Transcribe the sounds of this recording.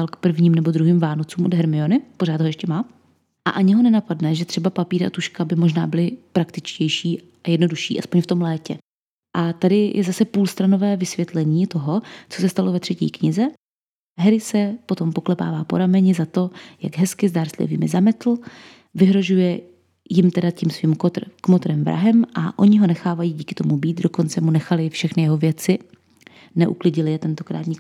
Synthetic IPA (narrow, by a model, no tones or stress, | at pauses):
alkpr̩vɲiːmnɛbo̞d̪ɾuɦiːmvaːno̞t͡suːmʔodɦɛɾmɪo̞nɪpo̞ɾ̝aːd̪ɦo̞jɛʃcɛmaː | ʔa̰ʔaɲɪɦo̞nɛnapadnɛʒɛt̪r̥ɛbapapiːɾa̰t̪uʃkabɪmo̞ʒna̰ːbɪlɪpɾakt̪ɪt͡ʃcɛjʃiː | ajɛdnoduʃḭːʔaspoɲft̪o̞mlɛːcɛ | ʔat̪adɪjʔɛ̰zasɛpuːlst̪ɾanovɛːvɪsvjɛt̪lɛɲiːt̪o̞ɦo̞t͡so̞sɛst̪alo̞vɛt̪r̥ɛcḭːkɲɪzɛ | ɦɛɾɪsɛpo̞t̪o̞mpo̞klɛpa̰ːvaːpo̞ɾamɛɲɪzat̪o̞jaɡɦɛskɪzdaːɾstlɪ̰vḭːmɪzamɛt̪l̩ | vɪɦɾo̞ʒujɛ | jɪmt̪ɛdacimsviːmkot̪kmot̪ɾɛmvɾa̰ɦɛmʔa̰ʔo̞ɲɪɦo̞nɛxaːvajiːɟiːkɪ̥t̪o̞mubiːt̪doko̞nt͡sɛmunɛxalɪfʃɛxnɪjɛɦo̞vjɛt͡sɪ | nɛʔuklɪɟɪlɪjɛt̪ɛnt̪okɾa̰ːt̪ɲɪk